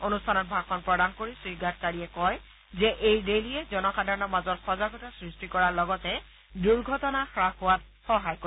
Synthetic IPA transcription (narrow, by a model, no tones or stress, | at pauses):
onustʰanɔt̚bʱakʰɔnpɹɔdankoɹisɹiɡat̚kaɹijɛkɔj | zɛʔejdelijɛzɔnɔxadʱaɹɔnɔmazɔtxɔzaɡɔtasɹistikɔɹalɔɡɔtɛ | duɹɡʱɔtɔnaxɹaxʊwat̚ | xɔɦajko